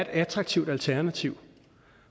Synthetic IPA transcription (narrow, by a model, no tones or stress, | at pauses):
e̝d̥æt͡sʰʁɑ̈ɡ̥̚t͡sʰiʊd̥ælt͡sʰæɐnæt͡sʰiʊ̰